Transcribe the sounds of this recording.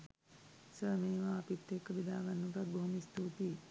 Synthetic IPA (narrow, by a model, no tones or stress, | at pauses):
səːmeːʋaːpit̪ːekːəbid̪aːɡanːuʈɐt̪̚bɐɦumist̪uːt̪i